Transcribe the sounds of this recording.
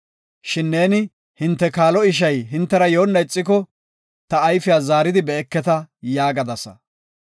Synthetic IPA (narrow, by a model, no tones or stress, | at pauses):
ʃɪnːe̞ːnɪ | hɪnt̪ːɛkaːlɔɪʃ̬ɐjɦɪnt̪ːɛɾɐjo̞ːnːɐɪt͡sʼːɪk̬ɔ | t̪ɐːjfɪjaːzaːɾɪd̪ɪbɛːkːɛt̪ɐjaːɡɐd̪ɐsɐ̰